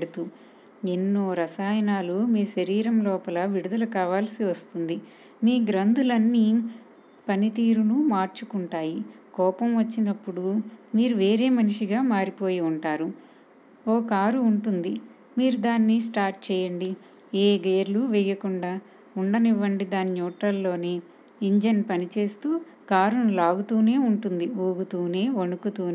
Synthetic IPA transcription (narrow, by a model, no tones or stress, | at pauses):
ɽut̪u | enːoːɾɐsaːjɐnaːlumiːʃɐɾiːɾɐmlɔːpɐlɐʋiɽud̪ɐlɐkaːʋaːlsiʋɐst̪und̪i | miːɡɾɐnd̪ulɐnːi | pɐnit̪iːɾunumaːɾt͡ʃukuɳʈaːjikɔːpɐmʋɐt͡ʃːinɐpːuɽumiːɾuʋe̞ːɾe̞ːmɐniʂiɡaːmaːɾipo̞ːjiuɳʈaːɾu | oːkaːɾuːɳʈund̪i | miːɾud̪aːnːis̬ʈaːɾʈ̚t͡ʃɛːjɐɳɖi | eːɡeːɾluʋɛjɐkuɳɖaː | uɳɖɐniʋːɐɳɖid̪aːninɔːʈɐlːo̞ːneː | iɲd͡ʒɐnpɐnit͡ʃe̞ːst̪uː | kaːɾunulaːɡut̪uːne̞ːuɳʈund̪ioːɡut̪uːne̞ːonukut̪uːnː